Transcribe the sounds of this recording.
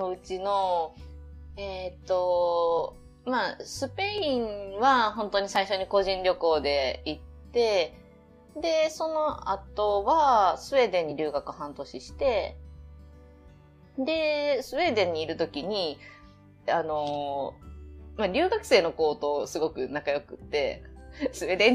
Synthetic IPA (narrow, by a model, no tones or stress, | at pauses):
no̞ɯ̟t͡ɕino̞ | et̪ːo̞ | masɨpe̞ĩɴβaɦõ̞nt̪o̞ɲ̟isaiɕo̞ɲ̟iko̞ʑĩnɾʲo̞ko̞ːd̪e̞it̪ːe̞ | d̪e̞so̞no̞at̪o̞βasɨβe̞d̪ẽ̞ɲ̟ːiɾʲɨːɡakɯ̟hãnt̪o̞ɕiɕi̥t̪e̞ | d̪e̞sɨβe̞ːd̪ẽ̞ɲ̟ːiːɾɯ̟t̪o̞kʲiɲ̟i | ano̞ | maɾʲɨ̟ːɡakɯ̟̥se̞ːno̞ko̞ːt̪o̞ːsɨɡo̞kɯ̟nakajo̞kɯ̟t̪ːe̞̰sɨed̪ẽ